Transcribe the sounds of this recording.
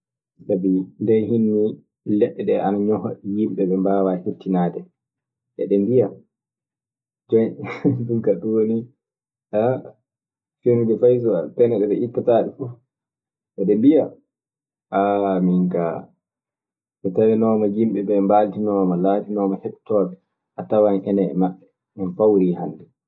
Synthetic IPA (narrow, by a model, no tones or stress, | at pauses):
sabindɛɦinːi | lɛɗːɛɗɛanaɲɔhɔ̰jimɓɛɓɛmbaːwahetːinaːdɛ | ʔɛ̰ɗɛmbija | d͡ʒɔjɗunkaɗuwoni | a | fenud͡ʒɛfajs̬ɔapɛnɛɗɛɓɛʔitːataːɗɛfuf | ʔɛɗɛmbija | ʔamiŋka̰ | ɓɛtawɛnɔmajimɓɛɓɛmbaltinɔːmalaːtinɔmahɛɗtɔːɓɛ | ʔatawanhɛnɛ̰ːmaɓːɛ | mɛnfawɾihandɛ